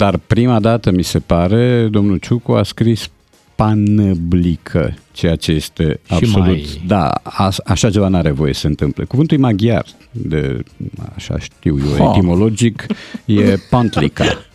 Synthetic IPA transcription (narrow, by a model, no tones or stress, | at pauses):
d̪̥arpɾimad̪at̪əmise̞paɾe̞d̪o̞mnut͡ʃukuaskɾis | panəblikʰə̰t͡ʃe̞jat͡ʃe̞je̞st̪e̞abso̞lut̪d̪a̰a̰aʃat͡ʃe̞vanaɾe̞vo̞je̞səɨnt̪ɨmplekuvɨnt̪ulimaɡia̰r | d̪ḛaʃa̰ʃt̪iwjoḛt̪imo̞lo̞d͡ʒikje̞pant̪lḭka̰